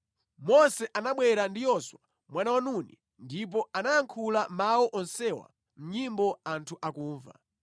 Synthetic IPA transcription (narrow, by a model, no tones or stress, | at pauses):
mɔsɛʔanaɓwɛɾandijɔswa | mwanawanuni | ndip̬ɔanajaŋkʰulamawɔʔɔnsɛwa̰ | m̩ɲimbɔantʰuʔakuːɱva̰